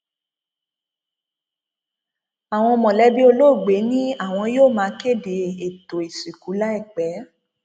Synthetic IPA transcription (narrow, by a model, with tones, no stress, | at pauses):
a˨w̃ɔ̃˧ɔ˧mɔ̃˨lɛ˨˦bi˦o˧lo˦˨ɡ͡be˨˦nĩ˦a˦˨w̃ɔ̃˧joː˦˨mãː˧˦ke˦˨de˨e˨to˨i˨si˨ku˨˦la˦ɛ˦˨k͡pɛ˨˦